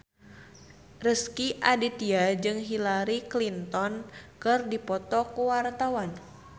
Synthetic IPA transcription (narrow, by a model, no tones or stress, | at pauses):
rəskiʔadit̪iad͡ʒɨŋɦilaɾiklint̪ɔnkɨrdipɔt̪ɔkuwart̪awan